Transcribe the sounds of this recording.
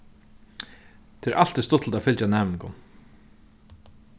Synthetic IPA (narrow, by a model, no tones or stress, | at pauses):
t̪ʰɪɛɾʔal̥t̪ɪst̪ʊt̪lt̪afɪlt͡ɕanɛːmɪŋkʊn